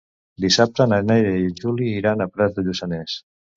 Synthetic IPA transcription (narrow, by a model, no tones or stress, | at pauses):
d̪isap̚t̪ənanajɾəiʒuliːɾanəpɾɛzðəʎusanɛs